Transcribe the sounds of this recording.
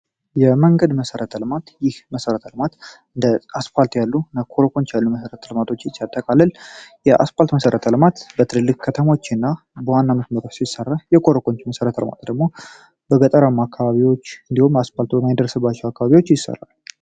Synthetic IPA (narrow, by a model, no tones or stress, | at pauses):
jɛməŋɡəd̪məsəɾət̪ʰəlmat̪jɪhməsəɾət̪ʰəlmat̪ | ɨnd̪əaspalt̪ʰjalːunəkʰo̞ɾoko̞nt͡ʃjalːuməsəɾət̪ʰəlmat̪ʰo̞t͡ʃːjɪt͡ʃːat̪ʼːəkʼalːəljɛʔa̰spalt̪məsəɾət̪ʰəlmat̪bət̪ʰɨlɨlːɨkʼkʰət̪ʰəmo̞t͡ʃːɨnːa | bəwanːaməsməɾot͡ʃsisərːajɛkʰoɾoko̞nt͡ʃməsəɾət̪ʰəlma̰t̪d̪əɡmo | bəɡət̪ʼəɾamakʰːaβaβiwo̞t͡ʃːɨnd̪ihumaspalt̪ʰuwnajɪd̪ərəsɨbːat͡ʃːɛwakːaβaβiwo̞t͡ʃːjɪsːə̰rːa̰l